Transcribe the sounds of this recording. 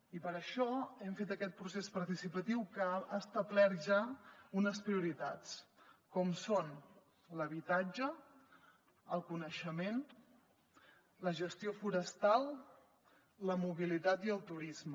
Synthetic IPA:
ipəɾəʃɔɛmfet̪əkɛt̪̚pɾusespəɾt̪isipət̪iwkəast̪əblɛt̪ʒaunəspɾiuɾit̪a̰t͡skɔmson | ləβit̪ad͡ʒə | əlˠkunəʃəmen | ləʒəst̪iofuɾəst̪alˠ | ləmuβilit̪at̪iəlˠt̪uɾizmə

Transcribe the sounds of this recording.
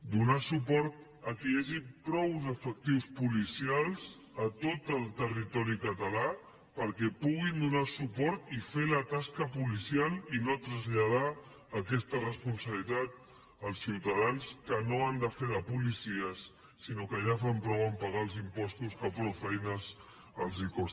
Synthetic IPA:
d̪unasupɔɾt̪̚ | əkiaʒipɾɔwzəfək̚t̪iwspulisialˠz | ət̪ot̪əlˠt̪ərit̪ɔɾikət̪əla | pəɾkɛpuɣind̪unasupɔɾt̪ifelət̪askəpulisijalˠinot̪ɾəzʎað̞aː | kɛst̪ərəspunsəβlit̪at̪̚ | əlˠsiwt̪əðanskənoand̪əfeðəpulisiəsː | inokəʒafampɾɔwəmpəɣaəlˠzimpɔst̪uskəpɾɔwfɛjnəz | əlˠzikɔs

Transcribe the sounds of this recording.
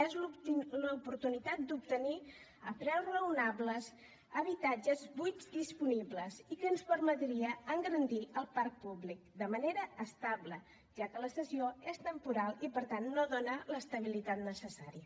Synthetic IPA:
ezuləupuɾt̪unit̪at̪̚d̪up̚t̪əni | əpɾɛwzrəunabləz | əβ̞it̪ad͡ʒəzbujzd̪ispunibləzikənspəɾmət̪ɾiəəŋɡəɾənd̪iʔəlˠpaɾk̚publik̚d̪əməneɾəːst̪ablə | ʒ̥akələsəsioest̪əmpuɾalˠipəɾt̪anːoðonələst̪əβ̞ilit̪at̪nəsəsaɾiə

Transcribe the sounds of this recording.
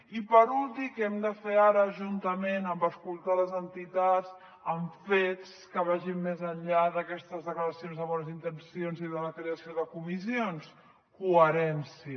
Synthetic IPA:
ipəɾulˠt̪ikɛmd̪əfeaɾəʒunt̪əmenəmbəskulˠt̪aləzənt̪it̪az | əɱfet͡s | kəβ̞aʒimːezəɲʎaðəkɛst̪əzðəkləɾəsionzðəβɔnəzint̪ənsionziðələkɾeəsioðəkumisions | kuəɾɛnsiə

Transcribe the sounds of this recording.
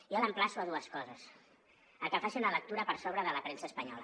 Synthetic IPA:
ialəmplasuaðuəskɔzəs | əkɛfasiunələk̚t̪uɾəpəɾsoβɾəðələpɾensəːspəɲɔlə̰

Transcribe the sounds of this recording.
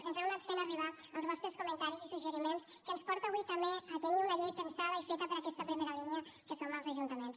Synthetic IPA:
ənzɛnat̪fenəriβ̞a | əlˠzβɔst̪ɾəskumənt̪aɾizisuʒəɾimens | kənspɔɾt̪əːβujt̪əmbeət̪əniunəʎejpənsaβəifet̪əpəɾəkɛst̪əpɾimeɾəliniəkəsoməlˠzəʒunt̪əmens

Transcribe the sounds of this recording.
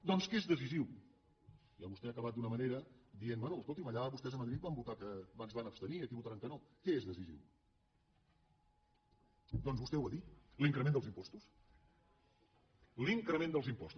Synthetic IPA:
d̪ɔnskezðəziziw | ia̰βust̪ɛakəβat̪̚d̪unəməneɾəd̪ienbwɛnuəskolˠt̪iməʎaβust̪ɛzəməðɾit̪bambut̪akəbanzβanəpst̪əniəkiβut̪aɾaŋkənokɛezðəzizḭw | d̪ɔnzβust̪ɛwəðit̪liŋkɾəmend̪əlˠzimpɔst̪us | liŋkɾəmẽnd̪əlˠzimpɔst̪u

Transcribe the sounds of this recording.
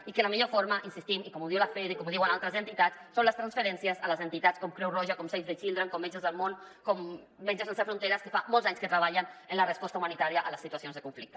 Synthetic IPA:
ikələmiʎofoɾməʔinsist̪imikɔmuðiwlafɛðikɔmuðiwənalˠt̪ɾəzənt̪it̪at͡ssonləst̪ɾansfəɾɛnsiəzələzənt̪it̪at͡skɔmkɾɛwrɔʒəkɔmsejzðət͡ʃilˠd̪ɾəŋkɔmːed͡ʒəzðəlˠmonkɔmː | ed͡ʒəzənsefɾunt̪eɾəskəfamɔlˠzaɲskət̪ɾəβaʎənənlərəspɔst̪əumanit̪aɾiəʔələsːit̪uasionzðəkuɱflik̚t̪ə̥

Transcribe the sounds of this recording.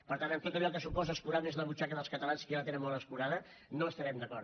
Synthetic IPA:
pəɾt̪anəmt̪ot̪əʎɔkəsupɔzəspuɾamezðəβut͡ʃakəðəlˠskət̪əlanskialət̪enəmolˠəspuɾaðə | noəst̪əɾɛmd̪əkɔɾt̪

